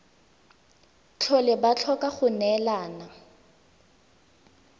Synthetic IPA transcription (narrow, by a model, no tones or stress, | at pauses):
t͡ɬʰɔlɪbat͡ɬʰɔkaχʊnɛlaːna